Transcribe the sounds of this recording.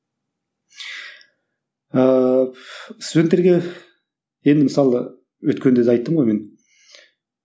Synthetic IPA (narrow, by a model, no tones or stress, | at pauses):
ə | sud̪ent̪ːeɾɡʲe̞ | je̞nd̪ɪməsɑlˠə | wɵt̪kʲend̪ed̪ɑjt̪ːəmʁojme̞n